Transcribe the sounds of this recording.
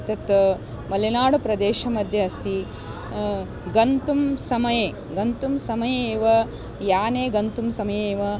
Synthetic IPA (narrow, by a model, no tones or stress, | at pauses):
t̪ɐt̪ | mɐlɐnaːɽupɾɐd̪eːʃɐmɐd̪ʱjɐɐst̪i | ɡɐnt̪umsɐmɐjeː | ɡɐnt̪umsɐmɐjeeːʋɐ | jaːneːɡɐnt̪umsɐmɐjeːʋɐ